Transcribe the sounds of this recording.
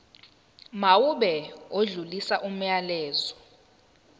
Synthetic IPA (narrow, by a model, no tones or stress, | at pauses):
mawuɓɛoɮulisaʔum̩jalɛːzɔ